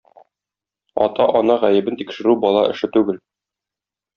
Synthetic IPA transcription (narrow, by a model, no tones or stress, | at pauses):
ɒ̰t̪ɑʔɒnɑʁæjɘ̆bɘnt̪ikʃɘ̆ɾʉbɒlˠɑʔɘ̆ʃɘt̪ʉɡɘl